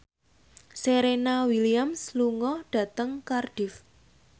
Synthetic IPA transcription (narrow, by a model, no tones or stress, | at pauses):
seɾenawiliamsluŋɔɖ̥a̤t̪əŋkarɖ̥ɪf